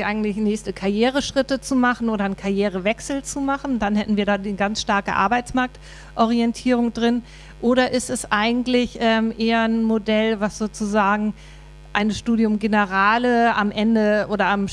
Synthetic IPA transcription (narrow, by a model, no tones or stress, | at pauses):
ʔaɪɡŋ̩tlɪçnɛːçstəkʰaɐjeːʁəʃʁ̥ɪtət͡sumaχn̩ʔoːɾɐnkʰaɐjeːʁ̞əvɛksl̩t͡sumaχn̩danhɛtn̩viːɐɾaːdinɡansʃtaɐkə̰ʔa̰ɐbaɪt͡smaɐk̚t | ʔɔʁ̞iɛntʰiːʁ̞ʊŋdʁɪn | ʔoːɾɐʔɪstɛsʔaɪɡŋ̩tlɪçʔɛːmʔeːɐnmodɛlvasz̥oːt͡suzaːɡŋ̩ | ʔaɪnəʃtuːdjʊmɡenəʁaːləamʔɛndəʔoːɾɐam